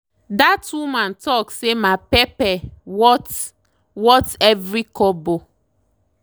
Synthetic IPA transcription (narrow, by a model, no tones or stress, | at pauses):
datwumãntɔksemapepɛwɔt | wɔtɛvɹikɔbo